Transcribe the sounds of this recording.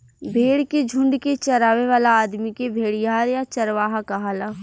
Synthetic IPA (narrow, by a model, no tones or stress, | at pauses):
bʱeːɽked͡ʒʱʊ̃ɳɖket͡ʃɐɾaːʋeʋaːlaːd̪mikebʱeːɽijaːɾjat͡ʃɐɾʋaːɦakaɦaːla